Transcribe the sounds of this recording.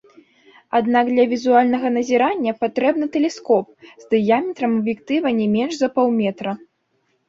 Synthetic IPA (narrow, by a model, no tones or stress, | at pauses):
ad̪naɡd̪lʲɐvʲizualʲnɐɣɐnɐzʲɛɾanʲːɐpat̪ɾɛbnɨt̪ɛlʲɛskɔp̚zʲd̪ɨjamʲɛt̪ɾɐmɐbjɛkt̪ɨvɐnʲɛmʲɛnʐzɐpɔwmʲɛt̪ɾɐ